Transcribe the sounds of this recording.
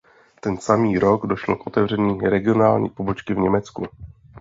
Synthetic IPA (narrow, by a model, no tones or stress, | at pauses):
t̪ɛnsamiːɾo̞ɡdo̞ʃlokʔo̞t̪ɛvr̝ɛɲiːɾɛɡɪo̞naːlɲḭːpobo̞t͡ʃkɪvɲɛmɛt͡sku